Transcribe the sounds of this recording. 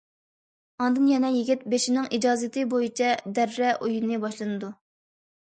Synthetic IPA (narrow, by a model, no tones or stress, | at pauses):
ɑnd̪ɨnjɛnɛjiɡʲit̪̚beʃinɪŋid͡ʒɑːzɨt̪ʰɨbojit͡ʃʰɛd̪æɾːɛʔujinɨbɑʃlˠɨnɨd̪u